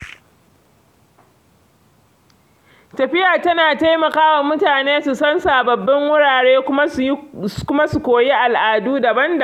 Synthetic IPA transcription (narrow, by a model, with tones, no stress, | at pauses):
tɐ˨ɸɪ˦jaː˨tɐ˦naː˨ta˦jmɐ˨kaː˦wa˨mʊ˦taː˨neː˦su˨sɐ˦nsaː˨bɐ˨bːɐ˦ŋwʊ˦ɽaː˨ɽeː˦kʷʊ˦kʊ˦ma˦su˨kʷoː˨ji˦ʔa˨lʔaː˨duː˦dɐ˨bɐ˦ndɐ˨